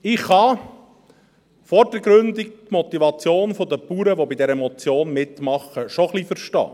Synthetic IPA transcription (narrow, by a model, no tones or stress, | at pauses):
ɪχhɑ | fɔɾd̥əɡɾɵnd̪ik̚t̪mɔt̪ivɑt͡sjoːnfɔd̪əpuːɾəʋobid̪ɛɾɛmɔt͡sjoːnmɪt̪mɑχːəʃɔχlifəɾʃtɑ̰ː